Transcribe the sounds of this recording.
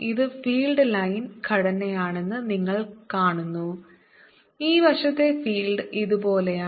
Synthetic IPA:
iðɨfiːlɖlɐjnkʰɐɽɐnːejaːɳe̞nːɨniŋːɐɭkaːɳunːu | iːbɐʂɐt̪ːe̞fiːlɖɨiðubo̞ːlea

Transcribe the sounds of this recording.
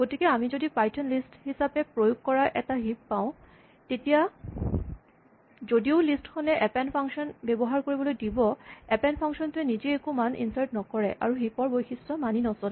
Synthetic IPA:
ɡotikɛamizodipajtʰɔnlisthisapɛpɹojuɡkɔɹaʔɛtaɦippãʊ̃ | tetija | zodiʊlistkʰɔnɛʔɛpɛnpʰaŋksɔnbɛbɔɦaɹkoɹibɔlojdibɔɛpɛnpʰaŋsɔntʊɛnizɛekumanḭnsaɹtnɔkɔɹɛ̰ʔa̰ɹuɦipɔɹbojxʰisɔmaninɔsɔl

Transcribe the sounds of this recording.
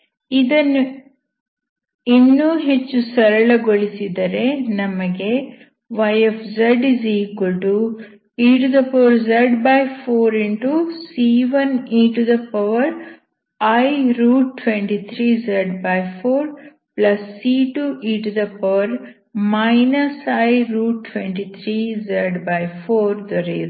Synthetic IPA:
id̪ɐnːu | inːuːɦet͡ʃːusɐɾɐɭɐɡoɭisid̪ɐɾe̞nɐmɐɡe̞ | ʋɐjefʰzɐɖizikulʈu | iːʈud̪ɐpɐʋɐɾzɐɖbajpʰoːɾiɳʈusiːʋɐniɳʈud̪ɐpɐʋɐɾ | ɐjɾuːʈʈʋeɳʈit̪ʰɾiːzɐɖbɐjpʰoːɾ | plɐsːiːʈuʔiːʈud̪ɐpɐʋɐɾ | mɐɪnɐsɐjɾuːʈ̚ʈːʋeɳʈit̪ʰɾiːzɐɖbɐjfʰoːɾd̪ɐɾeɾu

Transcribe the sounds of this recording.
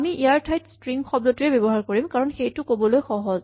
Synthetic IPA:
amiʔiaɹtʰajtstɹiŋxɔb̚dɔtʊjɛbebɔɦaɹkoɹimkaɹɔnxejtʊkobɔlojxɔɦɔz

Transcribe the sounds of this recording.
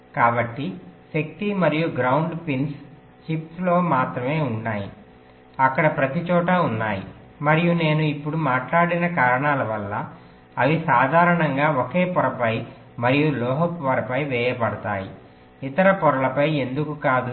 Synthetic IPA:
kaːbɐʈːiʃɐk̚t̪imɐɾijuɡɾɐwɳɖpins | t͡ʃipslo̞ːmaːt̪ɾɐme̞ːuɳːaːji | ɐkːɐɽɐpɾɐt̪it͡ʃɔːʈɐunːaːjḭ | mɐɾijune̞ːnuipːuɽumaːʈlaːɽinɐkaːɾɐɳaːlɐʋɐlːɐ | ɐʋisaːd̪ʱaːɾɐɳɐŋɡaːokeːpɔɾɐpɐj | mɐɾijulɔːɦɐpʋɐɾɐpɐjʋɛːjɐpɐɽɐt̪a̰ːjḭ | it̪ɐɾɐpɔɾɐlɐpɐje̞nd̪ukukaːd̪u

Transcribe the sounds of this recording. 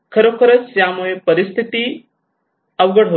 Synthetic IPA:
kʰəɾokʰəɾət͡sjamujepəɾist̪ʰit̪iː | əʋɡəɽɦo

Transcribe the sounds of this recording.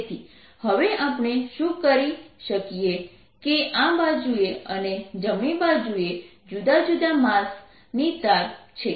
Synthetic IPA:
t̪ʰi | həʋeʔapɳ̃eʃũkəɾiʃəkije | keʔãbad͡ʒueəned͡ʒəmibad͡ʒue | d͡ʒud̪ad͡ʒud̪amãs | nit̪aɾt͡ʃʰe

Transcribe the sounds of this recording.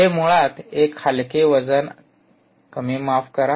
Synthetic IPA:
emuɭat̪ekhalkeʋəd͡zən | kəmimafkəɾa

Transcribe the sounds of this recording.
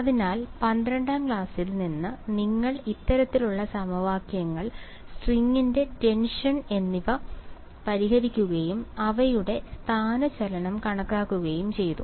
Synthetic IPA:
ɐðinaːlpɐnd̪ɾɐɳɖaːmkɭaːsilninːɨniŋːɐɭit̪ːɐɾɐt̪ːiluɭːɐsɐmɐʋaːkjɐŋːɐɭ | sʈriŋːinde̞ʈe̞nʂɐne̞nːiʋɐ | pɐɾiɦɐɾikʲːuɣɐjumɐʋɐjuɽe̞st̪ʰaːnɐt͡ɕɐlɐɳɐmkɐɳɐkːaːkːuɣɐjumt͡ɕe̞jt̪u

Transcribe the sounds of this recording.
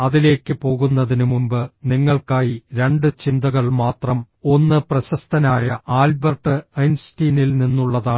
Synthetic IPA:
ɐðile̞ːkʲːɨpo̞ːɣunːɐðinumumbɨniŋːɐɭkaːjiɾe̞ɳɖɨt͡ɕind̪ɐɣɐɭmaːt̪rɐm | o̞nːɨprɐɕɐst̪ʰɐnaːjɐaːlbɐrʈːɨɐjnstiːnilninːuɭːɐðaː

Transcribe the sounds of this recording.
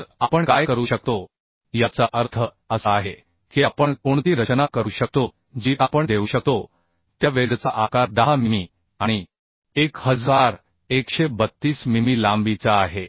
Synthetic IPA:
ɾapəɳkajkəɾuːɕək̚t̪o | jat͡saʔəɾt̪ʰə | əsəaɦe | kiapəɳkoɳt̪iːɾət͡ɕnakəɾuːɕək̚t̪o | d͡ʑiːʔapəɳd̪euːɕək̚t̪o | t̪jaʋeɽt͡saʔakaɾd̪aɦamimi | aɽ̃i | ekhəd͡zaɾ | ekɕebət̪ːiːsmimilambit͡saːɦe

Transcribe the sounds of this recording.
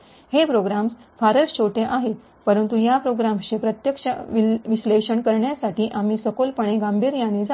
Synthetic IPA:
hepɾoɡɾamsfaɾəɾt͡ɕoʈʰeʔaɦet̪ | pəɾənt̪ujapɾoɡɾamɕepɾət̪jəkʂaʋiʋisleɕəɳkəɾɳjasaʈiːʔamiːsəkolpəɳ̃eɡambʱiːɾjaned͡z

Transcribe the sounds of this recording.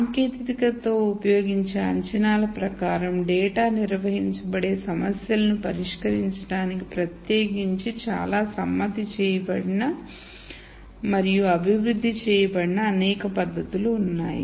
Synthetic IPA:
saːŋkeːt̪it̪ikɐt̪o̞ːupɐjo̞ːɡiɲt͡ʃeːɐɲt͡ʃɐnaːlɐpɾɐkaːɾɐmɖɛːʈaːniɾʋɐɦiɲt͡ʃɐbɐɽe̞ːsɐmɐsjɐlɐnupɐɾiʂkɐɾiɲt͡ʃɐɽaːnikipɾɐt̪jeːɡiɲt͡ʃit͡ʃa̰ːlaːsɐmːɐd̪it͡ʃɛːjɐbɐɽinɐ | mɐɾijuɐbʱiʋɾud̪ʱːit͡ʃɛːjɐbɐɽinɐːnɛːkɐpɐd̪ʱːɐt̪uluːnːa̰ːjḭ

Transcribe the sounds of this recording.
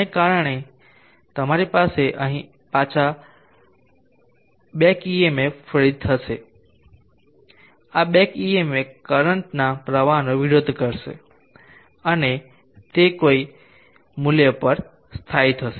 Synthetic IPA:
ekaɾəɽ̃e | t̪əmaɾipaseʔəɦĩ | pat͡ʃʰa | ɓekiemefʰəɾit̪ʰəse | aɓekiemekəɾəɳʈnapɾəʋanoʋɪɾod̪ʱkəɾsḛ | əne | t̪ekoi | mʊljəpəɾ | st̪ʰait̪ʰəse

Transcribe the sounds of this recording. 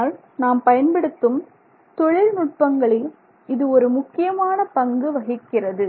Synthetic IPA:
l | naːmpɐjɐnbɪɽɯt̪ːɯm | t̪ɔɻɪlmʊʈ̚pɐŋɡɐɭɪ | ɪðɯɔɾɯmʊkːɪjɐmaːnɐpɐŋɡɯʋɐɣɪkːɪrɐðɯ

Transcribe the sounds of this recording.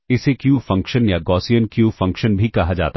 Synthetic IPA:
ɪsekjuːfɐ̃ŋkʃənjaɡɔːsijənkjuːfɐ̃ŋkʃənbʱikɐɦad͡ʒa̰ːt̪a

